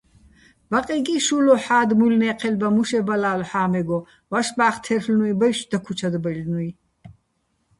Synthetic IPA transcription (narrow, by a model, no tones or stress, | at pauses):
baqʼɛɡiʃuːlɔħaːd̪mulnɛːqʰɛlbamuʃɛbalaːlħaːmɛɡɔ | vaʃbaːχt̪ʰɛrflnuibɛjʃd̪akʰut͡ʃʰad̪bɛlnui